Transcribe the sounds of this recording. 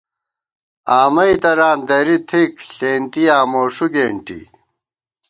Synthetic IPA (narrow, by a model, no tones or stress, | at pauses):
aːmɐit̪ɐɾaːnd̪ɐɾit̪ʰikɬeːnt̪ijaːmoːʂuɡeːɳʈḭ